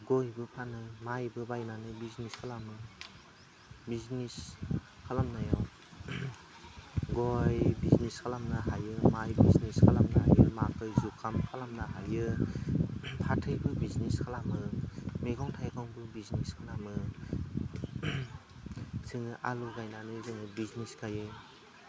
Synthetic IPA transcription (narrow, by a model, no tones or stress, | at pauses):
ɡojbɯpʰanɯmajbɯbajnanɯbizniskʰalamɯ | biznis | kʰalamnajaw | ɡojbizniskʰalamnaɦajɯmajbizniskʰalamnaa̰jɯmakɯzukʰːamkʰalamnaɦajɯ | pʰatʰɯjbɯbizniskʰalamɯmeɡɔwŋtʰajkʰawŋbɯbizniskʰalamɯ | sɯŋɯʔaluɡajnanɯzɯŋɯbizniskʰajɯ